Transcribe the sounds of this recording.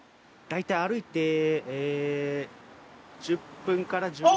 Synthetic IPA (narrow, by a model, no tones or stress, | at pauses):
d̪̥ait̪aiaɾɯ̟it̪e̞e | d͡ʑɨpːɯ̟̃ŋkaɾad͡ʑɨ